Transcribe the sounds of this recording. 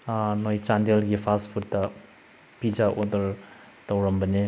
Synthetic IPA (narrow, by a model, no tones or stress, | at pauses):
nojt͡ʃandelɡipʰaspʰut̚dɐ | pid͡ʒaʔodəɾ | tawɾəmbəne